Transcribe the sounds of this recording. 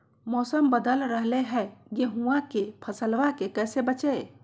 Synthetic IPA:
mɔːsəmbəd̪əlɾəɦleɦɛɡeɦuwãkepʰəsəlʋakekɛːsebət͡ʃe

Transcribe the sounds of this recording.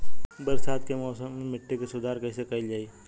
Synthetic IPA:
bɐɾsaːt̪kemɔːsəmmɪʈʰːekesʊd̪ʱaːɾkɐɦsekɐɪld͡ʒaːiː

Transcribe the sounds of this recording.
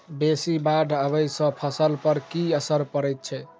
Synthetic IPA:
besibaɖʱəβəjsə̃pʰəsəlpəɾkiəsəɾpəɾɛt̪̚t͡ʃʰɛ

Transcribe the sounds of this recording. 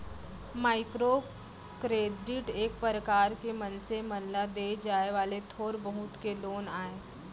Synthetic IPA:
maːɪkɾo | kɾeːɖɪʈeːk̚pəɾəkaːɾkemənsemənlad̪eːd͡ʒaːeʋaːlet̪ʰoːɾbəɦʊt̪keloːnaːeː

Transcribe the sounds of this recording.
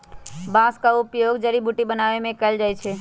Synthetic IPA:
bãskaʊpjoːɡd͡ʒəɾibʱuʈibənaʋemẽkəld͡ʒaːt͡ʃʰɛ

